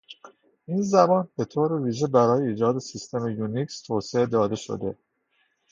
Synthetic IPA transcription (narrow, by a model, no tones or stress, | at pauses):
ʔiːnzæbɒːnb̥e̞t̪ʰoːɾeviːʒe̞bæɾɒːjeiːd͡ʒɒːd̪e̞sist̪ʰe̞mejunikst̪ʰoːseed̪ɒːd̪e̞ʃo̰d̪e̞̰